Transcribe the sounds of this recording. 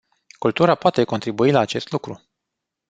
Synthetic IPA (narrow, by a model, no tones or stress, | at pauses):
kult̪uɾapoat̪e̞ko̞nt̪ɾibuilaːt͡ʃe̞st̪lukɾu